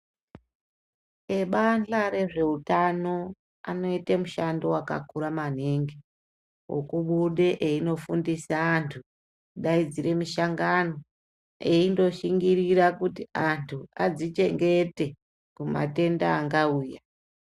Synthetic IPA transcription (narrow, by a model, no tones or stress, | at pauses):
e̞ɓanɬaɾe̞ʐe̞utano̞ | a̰no̞itemuʃandowaka̰kuɾaman̤eŋɡe | wo̰kuɓuɗe̞ʔeino̞fundisaːntʰu | ɗaid͡ziɾe̞miʃaŋɡano̞ | e̞indo̞ʃiŋɡiɾiɾakutiantʰuad͡zit͡ʃe̞ŋɡe̞te̞ | kuma̰te̞ndaːŋɡauːja